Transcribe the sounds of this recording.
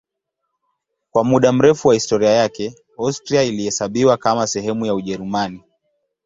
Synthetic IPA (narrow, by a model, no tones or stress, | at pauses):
kwamuɗam̩ɾɛfuwahistɔɾiajakɛ | astɾiailihɛsaɓiwakamasɛɦɛmujauʄɛɾumani